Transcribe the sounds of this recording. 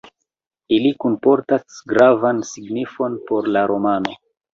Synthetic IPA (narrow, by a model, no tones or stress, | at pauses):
ilikunpo̞ɾtasɡɾavansiɡnifo̞npo̞ɾlaɾo̞mano̞